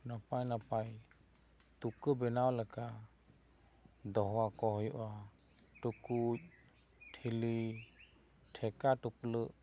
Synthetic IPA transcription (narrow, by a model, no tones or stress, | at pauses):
napajnapaj | tukɯbɛnawlɛka | d̪ɔɦɔwakɔhɔjʔa | tuku | tʰili | tʰɛkatuplɯʔ